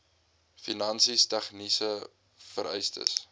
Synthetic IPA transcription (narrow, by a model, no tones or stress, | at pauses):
finɐnsistɛχnisə | fəɾɛjstə̰s